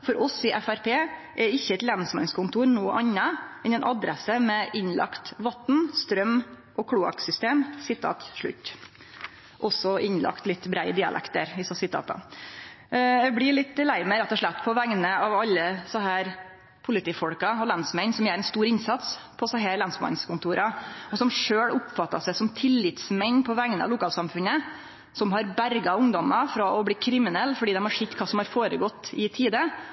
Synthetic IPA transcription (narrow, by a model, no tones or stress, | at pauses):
fɔɾʔɔsɪʔæfæɾpʰeːʔɛɪçːəɛt̪lɛnsmɛ̰nskʊnt̪ʰuːɾnoːʔɑnːɑʔɛnɛnʔɑd̪ɾɛsəmɛʔɪnlʔɑ̰kt̪ʋɑt̪ːn̩st̪ɾœm | ʔɔkʰɽuːɑ̰ksʏst̪eːmsɪt̪ʰːɑ̰t̪ʂɭʉ̰t̪ː | ʔɔsɔʔɪnlʔɑ̰kt̪lɪt̪ːbɾæɪəd̪ɪːɑ̰lɛ̰kt̪əɾɪsɔsɪt̪ʰːɑ̰ːp̪ə̰ | ɛɡbɽɪɭɪt̪ːlæɪməɾɛt̪ːɔʂɭæt̪ːpʰɔʋæŋnəɑʋɑlːəsɔɦæːɾ | pʰʊlɪt̪iːfɔɽkɑɔlɑnsmɛnsɔmjæːɾɛɪnst̪uːɾɪnsɑt̪s | pʰɔsɔɦæːɾlɑnsmɑ̰nskʊnt̪ʰuːɾɑɔsɔmʂøːɭʊpfɑt̪ːɑsæɪsɔmt̪ʰɪlːɪt̪smɛɲːpʰɔʋæŋnəɑ̰ʋlʊkʰɑːlsɑmfʉnə | sɔmɦɑɾbæɾɡɑʊŋd̪ɔmɑfɾɑɔbliːkʰɾɪmɪnɛlːfɔɖiːd̪ɛmhɑʂɪt̪ːkʰɑːsɔmhɑɾfoːɾəɡɔt̪ːɪt̪ʰiːd̪ə